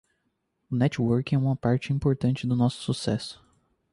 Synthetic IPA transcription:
ʊnɛt͡ʃwoɾkĩɛũmɐpaɾt͡ʃɪĩmpoɾt̪ɐ̃t͡ʃɪd̪ʊnɔsʊ̥susɛsʊ̥

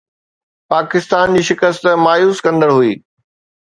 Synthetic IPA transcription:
paːkɪst̪aːnd͡ʑiːʃɪkəst̪maːjuːskɐ̃nd̪əɽɦuiː

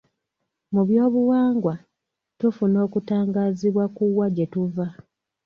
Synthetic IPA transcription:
muβjo̞ːβuwaːŋɡwa | tufuno̞ːkutaːŋɡaːziβwakuwːaɟe̞tuva

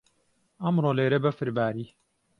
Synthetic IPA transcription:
ɐmɾoːleːɾɐbɐfɨɾbaːɾiː

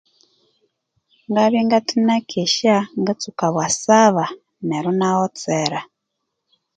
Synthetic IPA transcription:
ŋɡaβiŋɡatinakʰɛʃaŋɡat͡sukaβwasaβa | nɛɾunaɔt͡sɛɾa

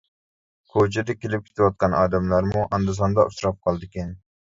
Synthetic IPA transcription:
kʰot͡ʃʰɛd̪ɛkʲelɪp̚kʲʰe̥ɪ̥t̪ʰɪwɑt̪̚qɑnʔɑ̰ːd̪ɛmlˠɑɾmuʔɑnd̪ɨs̬ɑnd̪ɑʔusɾɑp̚qʰɑlˠd̪ɪkʲɛn

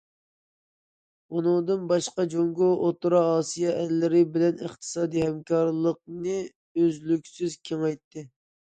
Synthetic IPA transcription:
unɨŋd̪ɨnbɑʃqɑd͡ʒoŋɡoʔot̪uɾɑɑːsijɑʔɛlːɪɾɪbɪlɛnəχt̪ʰɨ̥sɑːd̪ihɛmkʰɑɾlˠəq̚nɨ | øzlykʲsyzkʲʰeŋɑjt̪ːɪ

